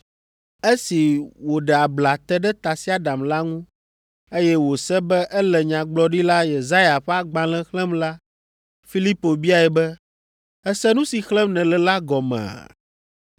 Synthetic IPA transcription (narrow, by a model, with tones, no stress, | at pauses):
e˦si˨wo˨ɖɛ˨a˨bla˨t̪ɛ˦ɖɛ˦t̪a˨si˦a˦ɖa˨mla˦ŋũ˦ | e˦jɛ˦wo˨sɛ˦bɛ˦ʔɛ˦lɛ˨ɲã˨ɡ͡blɔ˦ɖi˦la˦je˨za˦ja˨ɸɛ˦a˨ɡ͡bã˨lɛ̃˦xlɛ̃˦mla˦ | fi˦li˦po˨bi˦a˨ɛ˨bɛ˦ | ɛ˦sɛ˦nũ˦si˨xlɛ̃˦mnɛ̃˨lɛ˨la˦ɡɔ˨mɛ̰̃˨a̰˨